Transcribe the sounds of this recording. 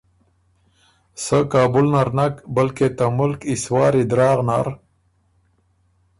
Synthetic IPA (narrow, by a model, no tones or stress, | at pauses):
səkaːbulnaɾnakbɐlket̪amʊlkiswɑːɾid̪ɾɑːɣna̰ɾ